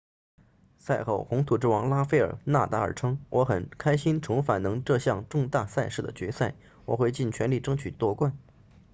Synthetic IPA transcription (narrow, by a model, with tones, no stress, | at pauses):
sa˥˧ɪxo˥˩ʊxʊ˧˥ŋt̪ʰu˨˩ʈ͡ʂɻ̩˥˩wɑ˧˥ŋla˥fe˥˩ɪə̰˞˨˩na̰˥˩t̪a˧˥ə̰˞˨˩ʈ͡ʂʰɤ˥ŋwʔɔ˧˥xə˨˩nkʰa˥ɪɕi˥nʈ͡ʂʰʊ˧˥ŋfa˨˩nɤ˧˥ŋʈ͡ʂɤ˥˧ɕjɑ˥˧ŋʈ͡ʂʊ˥˧ŋt̪a˥˧sa˥˧ɪʂɻ̩˥˩d̪ə̰˩t͡ɕɥɛ˧˥sa˥˩ɪ | wɔ̰˨˩xwe˥˧ɪt͡ɕi˥˩nt͡ɕʰɥɛ˧˥nli˥˩ʈ͡ʂɤ˥ŋt͡ɕʰy˨˩t̪wɔ˥˧kwa˥˩n